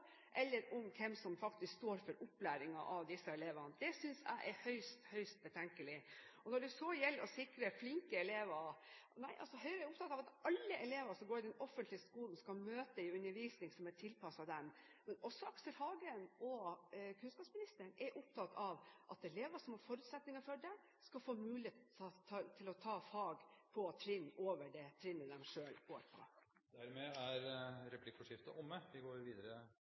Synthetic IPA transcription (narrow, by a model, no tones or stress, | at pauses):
ʔɛlːəɾʊmkʰɛmsɔmfɑkt̪ɪskst̪oːɾfɔɾʊplæːɾɪŋɑʔɑʋd̪ɪsːəɛleːʋɑnəd̪̥ɛsʏnsæ̰ɪʔɛɾhœʏst̪hœʏst̪̚bət̪ʰɛŋkəlɪɔnɔɖʉsɔjɛlːɔsɪkɾəflɪŋkəɛleːʋɑnæɪʔɑ̰lsɔɦœʏɾəɛɾʊp̚t̪ʰɑt̪ːɑʋɑt̪ɑlːəʔɛleːʋəʂɔɡoːɖɪd̪ɛnɔfːənt̪lɪəskuːlən̩skɑmøːt̪əɪʉnːəɾʋiːsnɪŋsɔmæʈʰɪlpʰɑsɑd̪ɛmmɛnɔsːɔɑksəɾhɑːɡənʔɔkʰʉnskɑːpsmɪnɪst̪ənɛɾʔʊp̚t̪ʰɑt̪ʰɑʋʔɑt̪ɛleːʋəʂɔmhɑɾfɔɾʉt̪sɛt̪nɪŋəfɔɖɛ | skɑlfoːmʉːlɪeːt̪t̪ʰt̪ʰɪlɔt̪ʰɑːfɑːɡpʰɔt̪ʰɾɪnːʔoːʋəɖɛt̪ʰɾɪnːəd̪ɛmʂøːloːʋəpʰɔ̰ | d̪æɾmɛæɾɾɛpʰlɪkːfɔʂɪft̪ə̰ʔɔmːəʋɪɡoːɾʋiːd̪əɾə